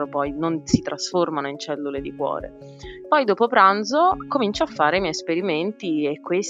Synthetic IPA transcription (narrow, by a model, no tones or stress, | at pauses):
ɾopɔjnonsit̪ɾʔasformanoint͡ʃɛlːuled̪ikwɔ̰ːɾḛ | pɔjd̪oːpopɾand̪zokomint͡ʃoafːaːɾeimjɛjspeɾiment̪iekːwes